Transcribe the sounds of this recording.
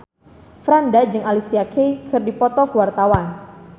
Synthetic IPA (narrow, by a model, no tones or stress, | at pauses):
fɾandad͡ʒɨŋalisiakʰejkʰɨrdipɔt̪ɔkəwart̪awan